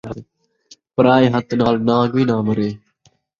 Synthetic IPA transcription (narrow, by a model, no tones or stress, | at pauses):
pəɾaːeːɦət̪naːlnãːɡʋiːnãːməɾeː